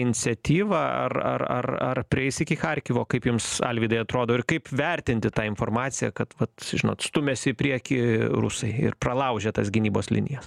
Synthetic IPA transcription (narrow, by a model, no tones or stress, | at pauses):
ɪnʲɪt͡ssʲɛt̪ʲiːʋɐɐ̰rɐ̰ɐ̰rɐ̰rpʲɾʲɪɛɪsɪkʲɪxɐrʲkʲiʋoːkɐɪpjʊmsɐ̰lʲʋʲiːd̪ɐɪɐt̪ɾoːd̪oːɪɾkɐɪpʋʲɛɾʲt̪ʲɪnʲt̪ʲɪt̪ɑːɪnfoːɾmɑːt̪sʲɪjɛ̰kɐt̪ʋɐt̪ʒʲɪno̰ːt̪st̪ʊmʲɛsʲɪpʲɾʲiɛkʲiːɾʊ̰sɐɪɪ̰rprɐlˠɐʊʒʲɛt̪ɐsɡʲɪnʲiːboːslʲɪ̰nʲɪ̰jɛs